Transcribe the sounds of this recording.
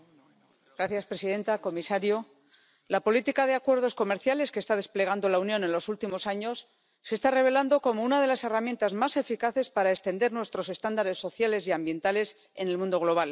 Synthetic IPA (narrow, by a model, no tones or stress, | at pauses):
ɡ̥ɾaθjaspɾe̞siðe̞nt̪ako̞misaɾjo | lapo̞lit̪ikaðe̞akwe̞ɾð̞o̞sko̞me̞ɾθjale̞skest̪að̞e̞sple̞ɣ̞and̪o̞launjo̞ne̞nlo̞sult̪imo̞saɲo̞sː | e̞st̪are̞β̞e̞land̪o̞ko̞mo̞unað̞e̞lase̞ramje̞nt̪azmase̞fikaθe̞spaɾaest̪e̞nd̪e̞ɾnwe̞st̪ɾo̞se̞st̪and̪aɾe̞sːo̞θjale̞siambje̞nt̪ale̞s | e̞ne̞lmũnd̪o̞ɣ̞lo̞β̞al